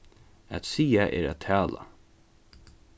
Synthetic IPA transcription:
æ̰t̪siːaʔɛ̰ːɾæ̰t̪ʰæːla̰

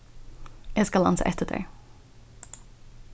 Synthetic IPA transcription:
jaskɑlɑ̰nsə̰ʔɛt̪ːədḛː

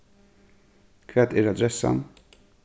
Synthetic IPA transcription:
kʰʋɛt̪ɪːɾɑd̪ɾɛsɑ̰n

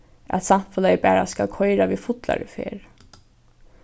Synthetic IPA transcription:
æ̰t̪sanfəlɛbæːɾaskalkʰɔɪɾaʋiːfʊt̪la̰ɹəfḛːɾ

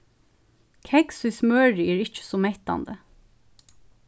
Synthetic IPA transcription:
kʰɛɡsismøːɹiːɹɪc͡çə̥sɔːmɛt̪ɑ̰nd̪ə

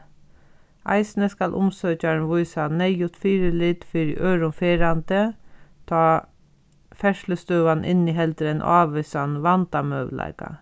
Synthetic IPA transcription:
ʔɑ̰ɪsnəskɑlʔʊ̰msøːcɑɳʋʊʏsɑnɛɪjʊt̪fiːɾəlit̪fiɾ̰ʔøːɾʊmfeːɾɑnd̪ət̪ʰɑː | fɛʂləst̪œːʋɑnʔɪ̰niːɦɛld̪əɾənʔo̰ɑːʋɛsɑnʋɑnt̪ɑmœʋlʔɑ̰ɪkɑ̰

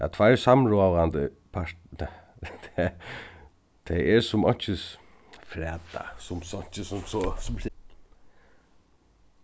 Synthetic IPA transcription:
a̰t̪ʰʋajɹsamɹoːʋant̪ə | pʰaɹ | t̪ʰ | t̪ʰɛjɛɹsʊmɔ̰ɲ̥t͡ʃɪs | fɾɛːt̪a̰sʊmsɔɲ̥t͡ʃɪsʊmsɔsʊm

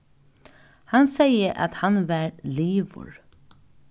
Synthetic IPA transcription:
hansɛjəʔa̰t̪hanʋæɾliːʋʊ̰ɹ

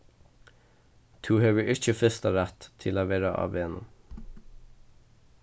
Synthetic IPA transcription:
t̪ʰʉːheːʋəʔɪc͡çəfɛst̪ɑɾæt̪t̪ʰɪloːʋeːɾəʔɑ̰ʋeːnə̰

